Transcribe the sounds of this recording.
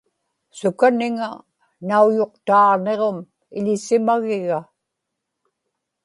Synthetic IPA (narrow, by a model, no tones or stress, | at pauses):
sʊkanɪŋa | naujo̞qt̪ɑːʁne̞ʁom | ɪʎɪsɪmaɣɪɣa